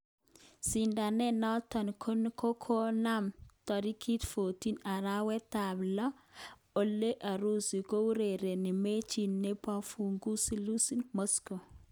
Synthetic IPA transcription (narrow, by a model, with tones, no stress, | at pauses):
si˨nda˨nɛ˦nɔ˦tɔ˨nkʰo˦n˦ko˦kʰo˦na˦mtɔ˨ɾi˦kʰi˦t̪fo˨ti˦na˨ɾa˦wɛ˦t̪a˨blɔ˦ | o˦lːe˦ʔa˨ɾu˦si˨ko˦u˦ɾe˨ɾe˨ni˨me˦t͡ʃi˨nːe˦pa˦fu˨ŋɡu˦si˦lu˦si˦nmosko˨